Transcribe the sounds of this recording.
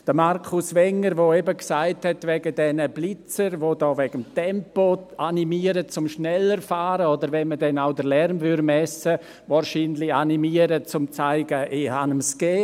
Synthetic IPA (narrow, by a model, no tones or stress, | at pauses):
d̥əmaɾkʰʊsʋɛŋəɾʋoɛbəksaɪthɛtvɛɡədɛnəb̥lɪt͡səɾʋodɔːvɛɡ̥əmtɛmpoanimiːəɾət͡sʊmʃnɛləɾfaːɾəodəɾvɛnmədɛnaʊdəɾlɛɾmvʏɾmɛsə | vaːɾʃiːnlɪanimiːəɾət͡sʊmt͡saɪɡəʔɪhanəmsɡ̥ɛː